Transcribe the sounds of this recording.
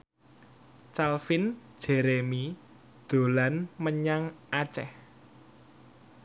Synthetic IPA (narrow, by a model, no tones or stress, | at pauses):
t͡ʃalfind̥d͡ʒ̥eɾemi | d̪̥o̤lanməɲaŋat͡ʃɛ̰h